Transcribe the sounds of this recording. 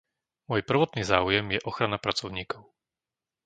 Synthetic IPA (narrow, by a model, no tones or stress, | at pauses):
mɔjpr̩ʋɔt̪niːzaːujɛmjɛʔɔxɾanapɾat͡sɔʊɲiːkɔʊ